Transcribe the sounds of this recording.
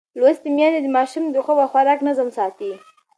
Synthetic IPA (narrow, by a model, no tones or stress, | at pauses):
lwast̪əmjɑned̪əmɑʃumd̪əxəwaxwaɾɑknazəmsɑt̪i